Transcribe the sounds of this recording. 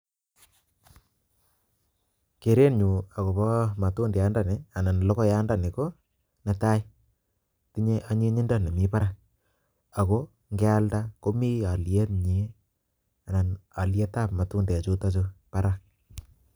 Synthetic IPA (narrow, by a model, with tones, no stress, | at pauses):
ke˨ɾe˦nɲu˨a˨ko˨pɔ˦ma˨tu˦ndɛ˨a˦nda˨ne˨a˨na˨nlɔ˦ko˦ja˦nda˦˨ne˨ko˦ | na˨ta˦j | ti˦ɲe˦ʔa˦ɲi˦ɲɪ˦nda˦˨ne˨mi˦pa˦ɾa˦k̚ | a˨ko˦ | ŋɡɛ˦a˦lda˦ko˦mi˦a˨lje˦tɲi˨˦ | a˨na˨na˨lje˦ta˦pma˨tu˦nde˨t͡ʃo˦ta˦t͡ʃo˦pa˦ɾa˦k̚